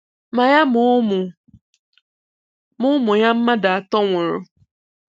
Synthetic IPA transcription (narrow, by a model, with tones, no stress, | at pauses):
mã˨ja˦mʊ̃˨˦mʊ̃˨ | mʊ̃˦mʊ̃˨ɲã˦m̩˦mã˦da˨tɔ˦wʊ̃˨ɾʊ˨